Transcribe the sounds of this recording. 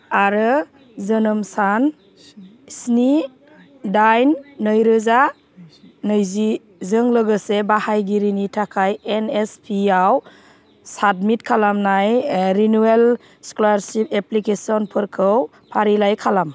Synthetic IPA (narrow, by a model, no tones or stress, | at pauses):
aɾɯ | zənɯmsan | sni | dajnːəjɾɯza | nɯjzi | zɯŋləɡɯsebahajɡiɾinitʰakʰajenespʰiaw | sadmitkʰalamnajɾinuel | skɔlaɾsipeplikesɔnpʰɯɾkʰɯw | pʰaɾilajkʰalam